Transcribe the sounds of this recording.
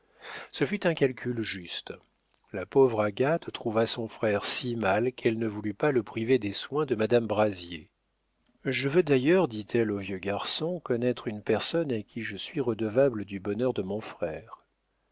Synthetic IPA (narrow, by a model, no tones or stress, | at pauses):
səfyt̪ɛ̃kalkʲʰylʒyst̪ | lapɔvʁaɡat̪ːχuvasɔ̃fχɛʁsimalkʰɛlnəvulypaləpχived̪eswɛ̃d̪əmad̪ambʁazje | ʒəvød̪ajœʁd̪it̪ʰɛlovjøɡaʁsɔ̃kɔnɛt̪χynpɛʁsɔnakʲʰiʒəsɥiʁəd̪əvabləd̪ybɔnœʁd̪əmɔ̃fχɛːʁ